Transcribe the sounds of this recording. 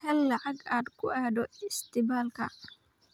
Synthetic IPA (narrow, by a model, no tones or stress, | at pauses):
ɛlːɐʕaɡaːd̪kʊʔaːdɔɪst̪ɪbaːlka